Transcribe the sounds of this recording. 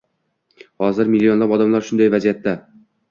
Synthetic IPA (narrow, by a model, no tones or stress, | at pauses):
hɒzɪɾmɪlʲːio̞nlˠapɒd̪amlˠaɾʃʊnd̪ajvazijat̪ːa